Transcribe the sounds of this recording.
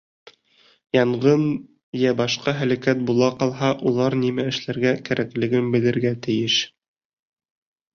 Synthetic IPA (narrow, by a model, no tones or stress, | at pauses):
jɑɴʁɤn | jæbɑʃqɑɦælækæt̪̚bulˠɑqɑlˠɦɑʔulˠɑɾnimæɘ̆ʃlæɾɡækæɾʔæklɘ̆ɡɘmbɘ̆lɘ̆ɾɡæt̪ɘ̆jɘʃ